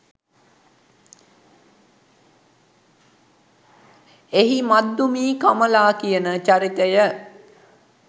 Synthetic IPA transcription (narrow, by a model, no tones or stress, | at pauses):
eɦimad̪ːumiːkaməlaːkijənət͡ʃaɾit̪əjə